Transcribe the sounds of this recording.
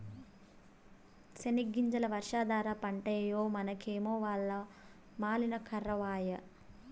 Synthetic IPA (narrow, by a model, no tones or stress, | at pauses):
sɐniɡːiɲt͡ʃɐlɐʋɐɾʂaːd̪aːɾapɐɳʈɐjɐjoːmɐnɐkʰeːmoːʋaːɭːɐ | maːlinɐkʰɐrːɐʋaːjɐ